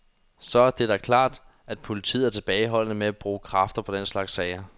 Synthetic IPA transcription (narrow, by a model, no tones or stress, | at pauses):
sɒ̽æɐd̥e̝d̥ɑkʰlɑ̰̈ːd̥ | æd̥pʰo̝lit͡sʰḭð̰ˠæɐt͡sʰe̝b̥ɛːɪɦɒ̽l̰nəmeæb̥ʁuːkʰʁɑ̈fd̥ɐpʰɒ̽d̥en̰slɑ̈ɡ̥sːɛɪɐ